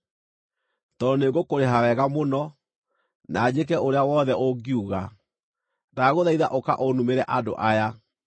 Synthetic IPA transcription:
tɔneɡokoɾeɦawɛɣamonɔ | naːd͡ʑek̬ɛʔoɾeawɔðɛoɡiuɣa | naɣoðaiðaʔoka̰ʔonumeɾɛʔado̰ʔaja

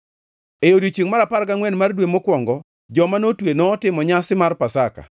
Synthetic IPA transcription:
ejodit͡ʃiŋmaɾapaɾɡaŋwɛnmardwemokwɔŋɡɔ | d͡ʒɔmanotwenɔːtɪmɔɲasɪmarpasaka̰

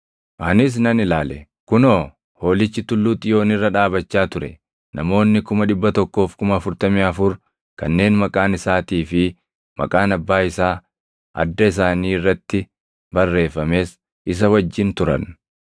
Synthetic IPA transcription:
ʔɐnɪs̬nɐnɪlaːlɛ | kʊnoː | ho̞ːlɪt͡ʃːɪt̪ʊlːuːt̪ʼɪjo̞ːnɪrːɐᶑaːbɐt͡ʃːaːt̪ʊɾɛ̰ | nʔɐmo̞ːnːɪkʊmɐᶑɪbːɐt̪ɔkːo̞ːfkʊmɐːfʊɾt̪ɐmɪɐfʊɾ | kɐnːe̞ːnmɐkʼaːnɪsaːt̪iːfɪ | mɐ̰kʼaːnɐbːaːɪsaː | ʔɐ̰d̪ːɐɪs̬aːniːɪrːɐt̪ːɪ | bɐrːe̞ːfːɐme̞ːs | ɪs̬ɐwɐd͡ʒːɪnt̪ʊɾɐ̰n

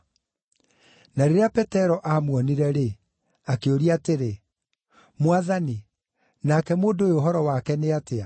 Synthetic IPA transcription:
naɾeɾeapɛtɛɾɔʔamwɔniɾɛɾe | akeoɾiateɾe | mwaðani | nakɛmoːndojooɦɔɾɔwakɛneatea

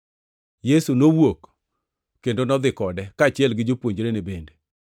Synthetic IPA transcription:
jesunowok | kendonɔd̪ɪkɔdɛkaːt͡ʃɪɛlɡɪd͡ʒopwoɲd͡ʒɾenebende

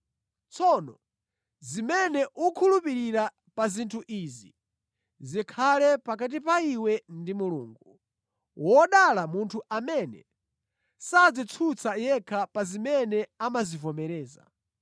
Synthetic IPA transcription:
t͡sʰɔnɔ | zimɛnɛʔukʰulupiɾiɾa | pazintʰuʔizi | zikʰalɛpakat̬ipaiwɛndimulṵːŋɡu | wɔɗalamuntʰuʔamɛnɛ̰ | sad͡zit͡sʰut͡sʰajɛkʰapazimɛnɛamazivɔmɛɾɛːza̰

